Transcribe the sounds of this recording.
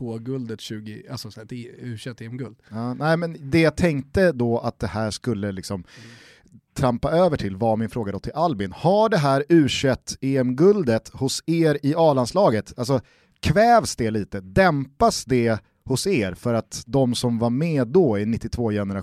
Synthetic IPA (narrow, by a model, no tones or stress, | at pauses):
oːɡɵld̪ət̪ɕʉ̟ːɡɪa̰sɔt̪ːʉ̟ːʂɛt̪ːeːɛmɡɵld̪ɑːnæɪmɛnd̪ɛjat̪ʰɛŋkt̪əd̪ɔat̪̚d̪ɛhæːʂkɵlːəlɪksɔm | t̪ʰɾampaøːvəʈʰɪlvamɪnfɾoːɡad̪ɔt̪ʰɪlalbɪnhaɖɛɦæːɾʉ̟ːʂɛt̪ːeːɛmɡɵld̪ət̪hʊseːɾɪɑːlanslɑːɡət̪als̬ɔ | kʰvɛːvsd̪ɛliːt̪əd̪ɛmpasd̪ɛ | hʊseːɾfœɾat̪d̪ɔmsɔmvaɾmeːd̪ɔɪnɪt̪ːɪt̪ʰvoːjɛnəɾa